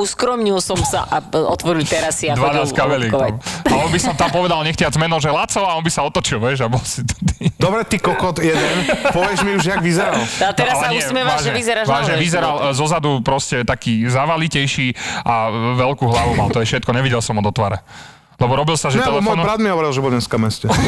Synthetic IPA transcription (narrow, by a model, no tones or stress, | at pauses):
uskɾɔmɲilsɔmsa̰ʔaɔt̪ʋɔɾilt̪ɛɾasiad̪ʋad̪askaʋɛlɛkɔʊaɔnbisɔmt̪ampɔʋɛd̪alɲɛxcɪad͡zmɛnɔʊʒɛlat͡sɔaɔnbisaɔt̪ɔt͡ʃilʋɛʒabɔlsit̪t̪id̪ɔbɾɛt̪ikɔkɔt̪jɛd̪ɛnpɔʋɪɛʒmiuʒjaɡʋizɛɾalat̪ɛɾalmuɛsimɛmaaʒɛɲɛizɛɾaʒʋaʒɛʋizɛɾalzɔzad̪upɾɔscɛt̪akiːzaʋalicɛjʃiːʔaʋɛlkuːɦlaʋumalt̪ɔɛʃɛt̪̚kɔɲɛʋiɟɛlsɔmɔd̪ɔt̪ʋaɾɛ | lɛbɔɾɔbilsaʒɛɛɛlɛmɔjnbɾaːd̪miɦɔʋɔɾilʒɛbɔɲɛskamɛscɛ